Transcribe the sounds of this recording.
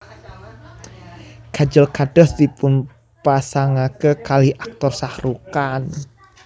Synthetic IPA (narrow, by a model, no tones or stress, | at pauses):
kad͡ʒəlkaɖ̥ɔst̪ipʊn | pasaŋakəkalihʔak̚t̪ɔrsahɾukan